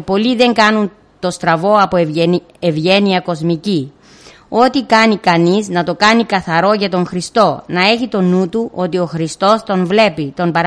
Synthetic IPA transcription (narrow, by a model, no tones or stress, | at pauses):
po̞liðe̞ŋɡɐnun | t̪o̞st̪ɾɐvo̞ɐpo | evʝe̞niɐko̞zmici | o̞t̪ikɐnikɐniznɐt̪o̞kɐnikɐθɐɾo̞ʝɐt̪o̞ŋxɾist̪o̞nɐe̞çit̪o̞nut̪uʔo̞t̪io̞xɾist̪o̞st̪o̞ɱvle̞pit̪o̞mbɐɾ